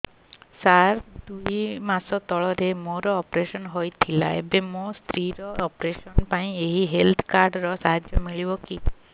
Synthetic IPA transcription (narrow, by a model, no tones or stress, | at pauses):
saɾd̪ujmasɔt̪ɔɭɔɾemoɾɔːpɾesɔnɦojt̪ʰila̰ḛbemost̪ʰɾiɾɔːpɾesɔnpaĩeɦiɦelt̪ʰkaɾɖɾɔsaɦad͡ʒjɔmiɭibɔki